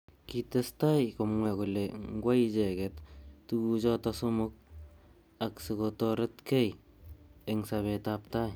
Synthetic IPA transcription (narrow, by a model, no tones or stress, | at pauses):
kitestajkomweɡuleŋɡwad͡ʒeɡetːuɡud͡ʒotasumuk̚ | aksiɡotoɾetkej | eŋsaβetap̚taj